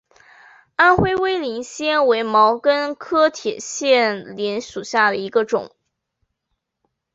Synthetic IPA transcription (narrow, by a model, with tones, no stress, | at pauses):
a˥nxwe˥ɪwe˥ɪli˧˥ŋɕjɛ˥nwe˧˥ɪmɑ˧˥ʊkə˥nkʰɤ˥t̪ʰjɛ˨˩ɕjɛ˥˩nljɛ˧˥nʂu˨˩ɕja˥˩d̪ə˩i˧˥ɡə˧ʈ͡ʂʊ̰˨˩˦ŋ